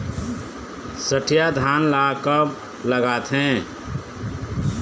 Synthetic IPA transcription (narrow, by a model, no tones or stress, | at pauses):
səʈʰijad̪ʱaːnlakəb | ləɡaːt̪ɦɛ̃